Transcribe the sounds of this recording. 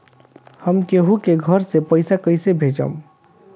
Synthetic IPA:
həmkeɦukeɡʱəɾsepəɪsakəsebʱed͡ʒə̰m

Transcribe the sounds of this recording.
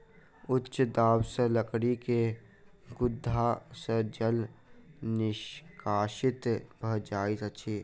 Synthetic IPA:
ʊtːʃd̪aːbseləkɽike | ɡʊd̪ʱːasəd͡ʒəl | nɪʃkaːʃɪt̪bʱəd͡ʒaːitət͡ʃʰiː

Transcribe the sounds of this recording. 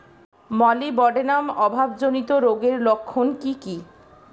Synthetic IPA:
mɔlibɔɖenamɔbʱabd͡ʑonit̪oɾoɡeɾlokʰːonkiki

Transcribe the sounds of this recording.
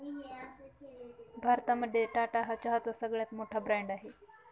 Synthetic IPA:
bʱaɾt̪aməd̪ʱːeʈaʈaɦat͡ɕaɦət͡sasəɡɭjat̪moʈʰabɾɛɳɖaɦe

